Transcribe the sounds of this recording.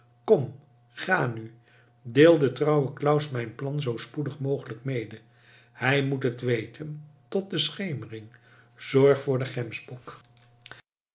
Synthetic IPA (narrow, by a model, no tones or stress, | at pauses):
kɔm | χaːny | deːlˠdətrʌwəklʌwsmɛjnplɑnzowspudəχmowχələkmejdə | hɛjmutɦətʋejtʰəntɔt̚dəsχejmərɪŋ | z̥ɔɹχfʊːɹdəχɛmsbuk